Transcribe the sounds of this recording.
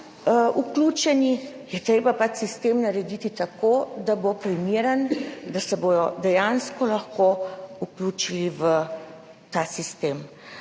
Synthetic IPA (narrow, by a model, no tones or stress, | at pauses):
ʔukluːt͡ʃɛnijɛt̪ɾeːbapat͡ʃsist̪eːmnaɾɛd̪it̪it̪akoːd̪abopɾimeːɾənd̪asɛboːjɔd̪ɛjanskɔlaxkoukluːt͡ʃiliʋə | t̪aːsist̪em